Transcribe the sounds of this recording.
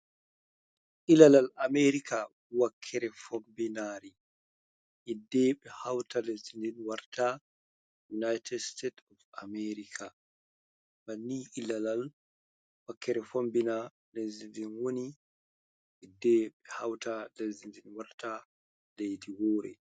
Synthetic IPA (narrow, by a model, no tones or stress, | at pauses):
ʔilalalameɾika | wakʰːɛɾɛfɔmbinaːɾi | ʔɛdːɛɓɛhawtalezindinwaɾtʰa | junajtʰɛdstetɔfa̰mɛɾikʰa | manːiʔilalal | wakʰːɛɾɛfombina | lezindinwoni | ʔɛdːɛɓɛhawtalezindinwaɾta | lejdiwɔːɾɛ̰